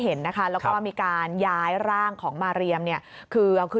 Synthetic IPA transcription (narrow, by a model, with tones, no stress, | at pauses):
ɦe˩˦nːa˦˥kʰa˦˥lɛ˦˥wkɔː˥˩miː˧kaː˧njaː˦˥jɾaː˥˩ŋkʰɔː˩˦ŋmaː˧ɾi˧əmni˥˩ɐkʰɯː˧ʔa˧wkʰɯ˥˩